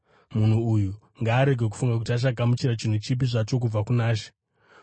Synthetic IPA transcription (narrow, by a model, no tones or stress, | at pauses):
mun̤uuju | ŋɡaːɾe̞ɡʱeku̥fuŋɡak̬utiat͡ʃ̬aɡʱamut͡ʃiɾat͡ʃin̤ut͡ʃip̬iʐat͡ʃo̞k̬ub͡vakunaːʃe̥